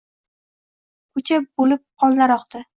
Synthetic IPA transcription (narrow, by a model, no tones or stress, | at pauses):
kʰʊt͡ʃʰabolɪp̚qʰɒlˠnaɾɒqd̪ɪ